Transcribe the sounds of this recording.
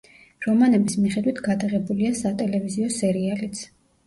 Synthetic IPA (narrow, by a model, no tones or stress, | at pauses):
ɾɔmanɛbismiχɛd̪wit̪ʰɡad̪aʁɛbuliasat̪ʼɛlɛviziɔsɛɾialit̪sʰ